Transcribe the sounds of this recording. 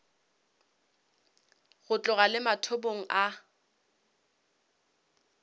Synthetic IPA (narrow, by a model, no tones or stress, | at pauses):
ɣʊt͡ɬʼʊɣalɪmatʰoboŋ̩ʔa